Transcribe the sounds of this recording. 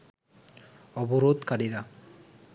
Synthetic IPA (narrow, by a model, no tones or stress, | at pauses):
ɔbɔɾod̪kaɽiɾa